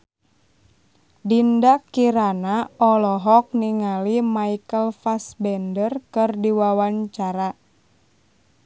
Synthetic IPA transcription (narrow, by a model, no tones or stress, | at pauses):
dindakiɾanaɔlɔɦɔk̚niŋalimaikəlfasbɛndərkɨrdiwawaɲt͡ʃaɾa